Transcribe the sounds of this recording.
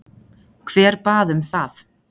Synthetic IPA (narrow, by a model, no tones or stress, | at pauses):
kʰv̥ɛːɾ̥paːðʏmθaθ